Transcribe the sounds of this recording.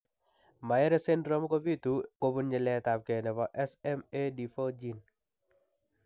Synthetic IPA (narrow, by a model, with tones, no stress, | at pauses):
ma˨ɛ˦ɾe˦se˦nɾɔ˦m˦ko˦bi˦tu˨ko˦bu˦nɲɪ˨lɛta˨p̚ke˨nɛ˨pɔ˨ʔɛ˦sɛ˦me˦di˨fo˦d͡ʒi˦n